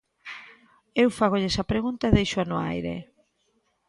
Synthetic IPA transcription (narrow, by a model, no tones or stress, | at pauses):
ewfaɣoʎesɐpɾeɣunt̪aeðejʃʊanʊa̰jɾḛ